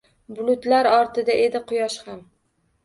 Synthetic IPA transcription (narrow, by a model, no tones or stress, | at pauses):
bʊlˠʊt̪laɾɒɾt̪ʰɪd̪aʔe̞d̪ɪqʰʊjɒʃham